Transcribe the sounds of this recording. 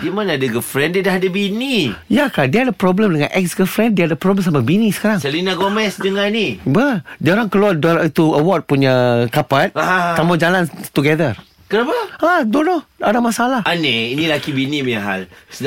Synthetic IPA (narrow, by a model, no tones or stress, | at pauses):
dimanadəɡəfɾɛndiadaɦadabinijakadiəadapɾɔbləmdəŋãnʔɛk̚sɡəfɾɛ̃ndiaadapɾɔbləms̬amabinĩsə̥kaɾaŋsəlinaɡomɛsdəŋãnibədioɾaŋkəluadoɾit̪uəwɔt̚puɲakapat̪̚at̪ːamad͡ʒalant̪uɡɛdər | kəɾapaadɔnɔhadamasalahaneinilakibinimiaɦa̰lsə